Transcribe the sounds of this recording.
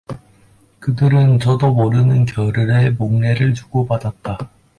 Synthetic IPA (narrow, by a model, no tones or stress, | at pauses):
kɯdɯɾɯnt͡ɕʌdomoɾɯnɯnkjʌɾɯɾemoŋne̞ɾɯɭt͡ɕuɡ̥obadat̚t͈a